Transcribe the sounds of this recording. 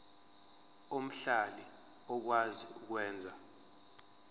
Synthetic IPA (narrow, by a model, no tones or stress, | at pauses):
om̩ɬali | ɔk̬waziuk̬wɛːnd͡zʱa